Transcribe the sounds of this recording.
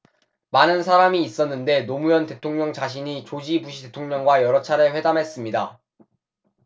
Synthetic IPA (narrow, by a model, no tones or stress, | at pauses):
manɯnsʰaɾamiːs͈ʌnːɯnde̞nomujʌnte̞tʰoŋɲʌŋt͡ɕaɕ̬ʰiɲit͡ɕod͡ʑibuɕʰide̞tʰoŋɲʌŋɡwajʌɾʌt͡ɕʰaɾɯɭɸwe̞damɦe̞s͈ɯmɲida